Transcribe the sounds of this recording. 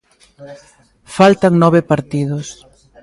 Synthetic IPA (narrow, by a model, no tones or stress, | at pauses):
falt̪aŋnɔβepaɾt̪ið̞ʊs